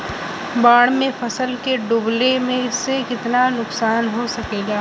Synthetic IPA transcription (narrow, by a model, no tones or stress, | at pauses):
baːɽ̃mẽfɐsəlkeɖʊblemẽsekɪt̪nanʊksaːnɦosɐkeːɡaː